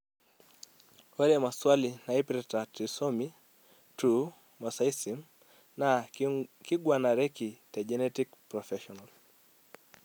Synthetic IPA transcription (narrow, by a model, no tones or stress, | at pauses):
wɛɾɛmaswalinaipiɾɛtatisɔmi | tu | mɔsaisim | na | kiɡwanaɾɛkitaʄɛnɛtikpɾɔfɛʃɔnal